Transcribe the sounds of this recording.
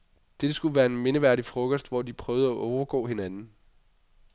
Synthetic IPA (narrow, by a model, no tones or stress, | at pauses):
d̥ed̥əsɡ̥uʋæːɐe̝nme̝nəʋæɐ̰ɾifʁɔ̽ɡ̥ɒsd̥ʋɒd̥ipʰʁœːʊð̩ˠæʔɒʊɐɡ̥ɔ̰̽ːhe̝nænn̩